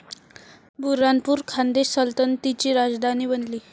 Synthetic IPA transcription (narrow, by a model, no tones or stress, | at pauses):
bʱuɾanpuːɾkʰand̪esəlt̪ənt̪it͡ɕiːɾad͡zd̪ʱaniːbənliː